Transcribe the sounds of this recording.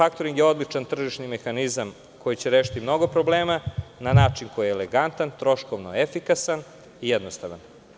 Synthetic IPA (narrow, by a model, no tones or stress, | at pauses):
fakt̪oɾiŋɡjeo̞d̪lit͡ʂant̪r̩ʒiʃnime̞xanizam | ko̞jit͡ɕeɾeːʃi̥t̪imno̞ɡopɾo̞bleːmananaːt͡ʂiŋko̞jieleɡant̪ant̪ɾo̞ʃkoʋnoefikasan | ijɛd̪nost̪aʋan